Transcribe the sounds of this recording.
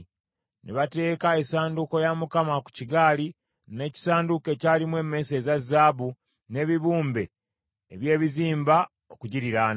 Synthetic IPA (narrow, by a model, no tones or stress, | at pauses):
neβate̞ːkae̞saːnduko̞jamukamaku̥ciɡaːli | ne̞ci̥saːnduke̞ːcaːlimwe̞ːmːe̞se̞ːzazːaːβu | ne̞ːβiβuːmbe̞̰ | eβje̞ːβiziːmba | o̞kuɟiɾiɾaːn